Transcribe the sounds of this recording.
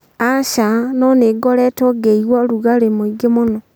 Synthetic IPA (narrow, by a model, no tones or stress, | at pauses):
aʃanoneɡɔlɛtoɡeiɣwaluɣalemoiɡemono